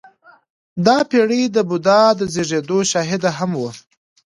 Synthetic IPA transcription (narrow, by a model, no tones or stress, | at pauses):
d̪ɑpeɽid̪əbʊd̪ɑd̪əzeʐed̪oʃɑɦɪd̪aɦamwu